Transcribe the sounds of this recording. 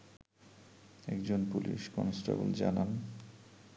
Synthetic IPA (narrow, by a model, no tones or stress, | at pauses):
ɛkd͡ʑonpuliʃkɔnsʈabuld͡ʑanan